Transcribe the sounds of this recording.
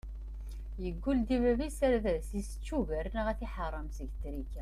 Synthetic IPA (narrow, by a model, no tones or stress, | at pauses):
jəɡʷːuld̪ivævisæɾðæsisə̥t͡ʃːuvæɾnəʁæθiħərˤːɑmsəʝt̪ɾikæ